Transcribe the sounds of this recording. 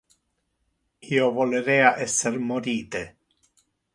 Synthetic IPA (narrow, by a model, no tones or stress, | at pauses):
iːovoleɾɛːaʔɛsːermoɾiːt̪e